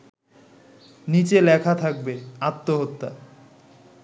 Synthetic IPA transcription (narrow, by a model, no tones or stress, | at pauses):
nit͡ɕelɛkʰat̪ʰak̚beat̪ːoɦot̪ːa̰